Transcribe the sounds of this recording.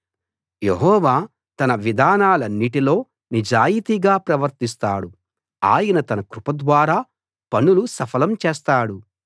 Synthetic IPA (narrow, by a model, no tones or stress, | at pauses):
jeɦɔːʋaː | t̪ɐnɐʋid̪ʱaːnaːlɐnːiʈilo̞ː | nid͡ʒaːjit̪iɡaːpɾɐʋɐɾt̪is̬t̪aːɽu | a̰ːjɐnɐt̪ɐnɐkɾupɐd̪ʋaːɾaː | pɐnulusɐpʰɐlɐmt͡ʃeːst̪aːɽu